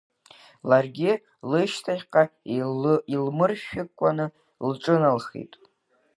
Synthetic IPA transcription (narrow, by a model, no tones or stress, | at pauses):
larɡʲɪ | lɨʃtʰaχʲqʼa | ilmɨrʃᶣɪkʷʼːanɨ | lʈ͡ʂʼɨnalχḭtʼ